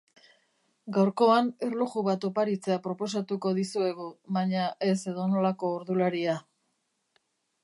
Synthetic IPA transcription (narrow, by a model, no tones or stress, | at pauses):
ɡawɾko̞ane̞ɾluɣuβat̪o̞paɾit͡se̞apɾo̞po̞s̬at̪uko̞ðisue̞ɣuβaɲaʔe̞se̞ðo̞no̞lako̞ːɾðulaɾia